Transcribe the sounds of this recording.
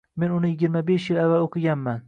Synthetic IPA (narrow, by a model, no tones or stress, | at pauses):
me̞nʊnɪjɪɡʲɪɾmabeʃjɪlavːaloqʰɨɡʲanman